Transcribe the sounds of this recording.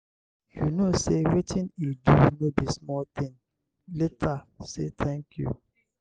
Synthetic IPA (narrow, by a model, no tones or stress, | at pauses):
jṵnosewitʰĩnildunobismɔlt̪ĩn | letʰasḛt̪ʰɛ̃ŋkʰjṵ